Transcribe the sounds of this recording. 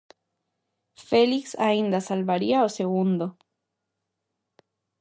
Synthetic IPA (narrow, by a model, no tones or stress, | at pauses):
feliksaind̪asalβaɾiaoseɣund̪o